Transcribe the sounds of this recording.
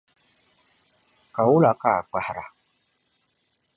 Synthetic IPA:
ka˨wʊ˦la˨ka˦˨k͡pa˨hɾa̰˨

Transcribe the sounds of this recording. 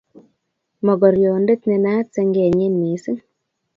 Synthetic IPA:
mɔ˨ɡɔ˨ɾjo˨nde˦t̪ne˧na˦t͡se˧ŋɡe˨ɲe˦nːi˨˦si˦ŋ

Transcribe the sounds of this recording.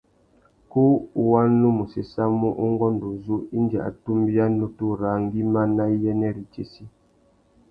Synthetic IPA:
ku˦˨˦wa˦n˦lu˦mu˨se˨sa˦mu˦ʔu˦ŋ˦ɡɔ˦ndu˨zu˦i˦nd͡ʒa̰˨ʔa̰˨tu˦mbja˦nu˦tu˦ɾa˨ŋ˦ɡi˦ma˦na˦jɛ˦nɛ˦ɾi˨t͡ʃe˦si˦

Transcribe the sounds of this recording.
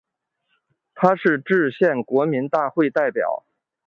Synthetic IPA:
t̪ʰa˥ʂɻ̩˥˧ʈ͡ʂɻ̩˥˧ɕjɛ˥˩nkwɔ˧˥mi˧˥nt̪a˥˧xwe˥˧ɪt̪a˥˩ɪpjɑ̰˨˩˦ʊ

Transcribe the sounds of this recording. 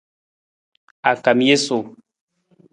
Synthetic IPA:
a˨ka˨mi˦je˦so˨

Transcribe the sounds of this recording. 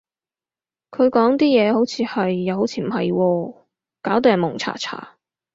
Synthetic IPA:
kʰɵ˨˧ɥkɔː˨˥ŋt̪iː˥jɛː˨˧ho˨˥wt͡sʰiː˨˧hɐ˨jːɐ˨˧who˨˥wt͡sʰiː˧m̩˨˩hɐ˨jwɔː˧ | kaː˨˥wt̪oː˨˧jɐ˨˩mʊ˨˩ŋt͡sʰa̰ː˨˩t͡sʰa̰ː˨˩

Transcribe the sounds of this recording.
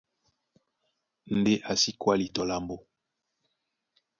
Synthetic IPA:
n̩˦de˦ʔa˨si˦kwa˦li˨tɔ˨la˨mbo˦

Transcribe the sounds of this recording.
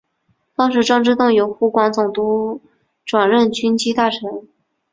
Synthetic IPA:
fɑ˥ŋʂɻ̩˥˩ʈ͡ʂɑ˥ŋʈ͡ʂɻ̩˥t̪ʊ˥˩ŋjo˧˥ʊxu˧˥kwɑ˧˥ŋt͡sʊ˨˩ŋt̪u˧˥ | ʈ͡ʂwa˨˩nɻə˥˩nt͡ɕʰy˥nt͡ɕʰi˥t̪a˥˩ʈ͡ʂʰɤ˧˥ŋ

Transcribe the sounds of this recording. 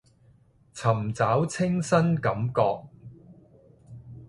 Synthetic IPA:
t͡sʰɐ˨˩mt͡saː˨˥wt͡sʰɪ˥ŋsɐ˥nkɐ˨˥mkɔː˧k̚

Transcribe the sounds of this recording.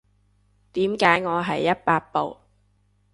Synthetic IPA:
t̪iː˨˥mkaː˨˥jŋɔː˨˧ɦɐ˨jːɐ˥t̚paː˧k̚po̰˨w

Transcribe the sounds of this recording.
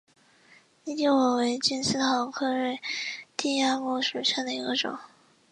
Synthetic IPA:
ni˥˩t͡ɕjo˥˩ʊwɔ˨˩we˧˥ɪt͡ɕi˥nsɹ̩˥˧xɑ˧˥ʊkʰɤ˥˧ɻe˥˩ɪt̪i˥˧ja˥˧mu˥˩ʂu˨˩ɕja˥˩d̪ə˩i˧˥ɡə˧ʈ͡ʂʊ̰˨˩˦ŋ

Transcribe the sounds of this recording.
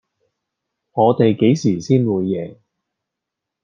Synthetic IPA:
ŋɔː˨˧t̪e˨jke˨˥jsiː˨˩siː˥nwuː˨˧jːɛː˨˩ŋ

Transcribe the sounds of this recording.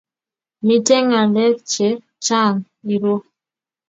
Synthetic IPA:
mi˨tɛ˦ŋa˨lɛ˦k̚t͡ʃe˨˦ | t͡ʃa˦˨ŋ | i˨ɾo˦

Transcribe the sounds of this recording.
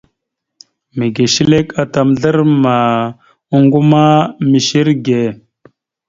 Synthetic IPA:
me˨ɡe˨ʃi˦le˦ka˨ta˨mɮə˦ɾma˨ | u˦ŋɡu˦ma˦mi˨ʃi˦ɾɡe˨

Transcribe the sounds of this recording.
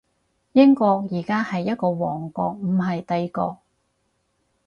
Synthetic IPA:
jɪ˥ŋkɔː˧k̚jiː˨˩kaː˥hɐ˨jːɐ˥t̚kɔː˧wɔː˨˩ŋkɔː˧k̚m̩˨˩ɦɐ˨jt̪ɐ˧jkɔ̰ː˧k̚

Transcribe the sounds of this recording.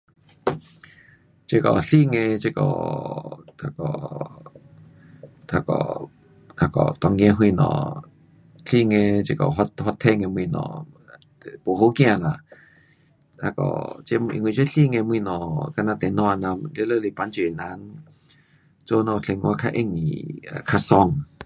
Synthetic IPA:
t͡ɕe˧˥kɔ̰˨ɬi˧˨ŋẽ˧t͡ɕe˧kɔ̰˧˨ | t̪ʰa˧˩kɔ̰˨ | t̪ʰa˧kɔ̰˨ | t̪ʰa˧˩kɔ̰˨t̪ɔ˧˩ŋɡj̃ã˧˦ɦwi˧˨nɔ̰̃˨ | ɬi˥˧˨ŋẽ˧t͡ɕe˧kɔ˨ɦɔ˧hɔ˧t̪ʰɛ˧˨ŋẽ˧mwi˧˨nɔ̰̃˧˨˧ | po˨ɦo˧˦kj̃ã˧˨la˨ | t̪ʰa˧kɔ̰˧˨˩t͡ɕe˧˦˧ḭ˧˨ŋwĩ˧˨t͡ɕe˦ɬi˧˨ŋɛ̃˧m˧i˧˨nɔ̃˧˩ka˧˨nã˧˨t̪ɛ˨nɔ̃˧˨a˧˨nã˧mle˧˦˨lə˧˨le˨˧˨pa˧˦nt͡ɕi˧˨e˨nã˧˦n | t͡so˧˦nɔ̃˧˩ɬe˧˨ŋwʔa˧kʰa˧ʔe˧˨ŋḭ˨a̰˨kʰa˧sɔ˧˨ŋ

